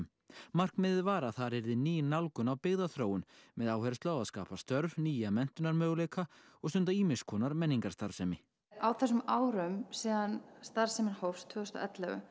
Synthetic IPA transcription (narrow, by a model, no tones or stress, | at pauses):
m | mar̥kmɪðɪvaːɾaθaɾɛɾðɪniːjɪnːawlkʏnawpɪɣðaθɾoːwʏnmɛðaːwhɛɾst̪lawaðska̰ːpast̪œɾvniːjamɛn̥t̪ʏnaɾmœːɣleːjkʰa | ɔɣst̪ʏnt̪aiːmɪskʰɔːnaɾmɛnːiŋkḁst̪aɾ̥sɛmɪ | awθɛs̬ʏmaːwɾʏmsiːðanst̪aɾ̥sɛmɪnhowfst̪ʰʏːʏst̪ɔ̰ʔɛt̪lɛɣʏ̰